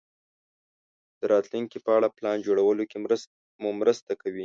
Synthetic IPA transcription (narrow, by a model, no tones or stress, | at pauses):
d̪̥əɾʔɑt̪luŋkipəaɽaplɑnd͡ʒoɽawəloke | mumɾəst̪akawi